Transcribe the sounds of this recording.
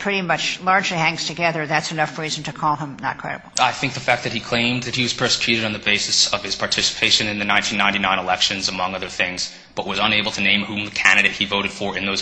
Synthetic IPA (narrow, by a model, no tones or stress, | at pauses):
pʰɹ̥ɪɾimʌt͡ʃlɑɹd͡ʒlihæ̃ŋz̥tʰɨɡɛðə˞ðætsɨnʌfɹizn̩tʰɨkʰɔlˠə̃mnə̰t̚kʰɹ̥ɛ̰ɾə̰bl̩ˠaɪθɪ̃ŋk̚ðɨfæk̚ðɨt̚hikʰl̥ẽɪ̃mðɨt̚hiwʌz̥pʰɜ˞sə̥kʰj̥ʉɾɨɾn̩ðɨbeɪsɨsʌv̥ɨz̥pʰɑɹtʰɪsə̥pʰeɪʃɨ̃nɨ̃nðɨnãɪ̃ntʰĩnːãɪ̃ntinãɪ̃nəlɛkʃɨ̃nzəmʌ̃ŋʌðə˞θɪ̃ŋz̥ | b̥ʌʔ̚wʌzə̃neɪbl̩ˠtʰɨnẽɪ̃mhũmðɨkʰæ̃ndɨɾeɪt̚hivoʊɾɨd̥fə˞ɨ̃nðoʊz